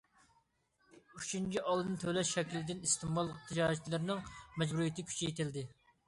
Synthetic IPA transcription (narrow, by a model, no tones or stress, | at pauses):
yt͡ʃʰynt͡ʃʰʲiʔɑlˠɨnt̪ʰølɛʃʃɛkʲilɪd̪ɪnist̪ʰɨmbɑlˠt̪ʰːɨd͡ʒɑːt͡ʃʰlɪɾnɪŋmɛd͡ʒbuɾijet̪ʰɪkʲʰy̥t͡ʃʰijet̪ʰɪld̪ɪ